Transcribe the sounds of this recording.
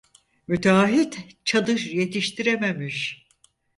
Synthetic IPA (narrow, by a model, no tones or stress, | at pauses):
myt̪ʰaɦit̪ | t͡ʃʰad̪ɯʃje̞t̪ʰiʃt̪ʰiɾeme̞miʃ